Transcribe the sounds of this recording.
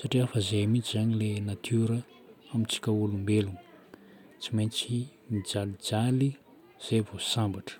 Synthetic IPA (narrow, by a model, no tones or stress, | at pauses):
saʈ͡ʂiafəzeamit͡ʃizaɲilenat̪ʰuɾə | amint͡si̥kʲaulumbelunə | t͡siment͡simid͡zalid͡zali | z̥evosambaʈ͡ʂə̥